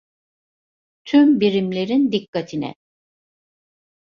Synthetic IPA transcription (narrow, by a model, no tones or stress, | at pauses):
t̪ʰymbiɾimlʲe̞ɾind̪ikːat̪ʰinɛ̰